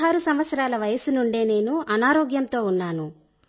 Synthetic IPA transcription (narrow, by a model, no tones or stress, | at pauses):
ɦaːɾusɐmʋɐt̪sɐɾaːlɐʋɐjɐsunuɳɖeːne̞ːnuɐnaːɾoːɡjɐmt̪o̞ːunːaːnu